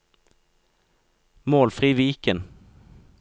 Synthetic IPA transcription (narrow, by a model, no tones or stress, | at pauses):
moːlfʁiːʋiːkən